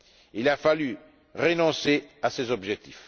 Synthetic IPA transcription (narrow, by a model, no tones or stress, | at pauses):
ilafaly | ʁənɔ̃seasezɔbʒɛk̚t̪if